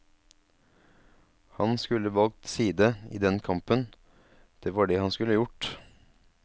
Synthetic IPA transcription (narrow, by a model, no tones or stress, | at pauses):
hɑnskʉləʋɑlk̚t̪siːd̪əḭːd̪ɛnkʰɑmpən | d̪̥eːʋɑːɖeːhɑnskʉləjʊʈ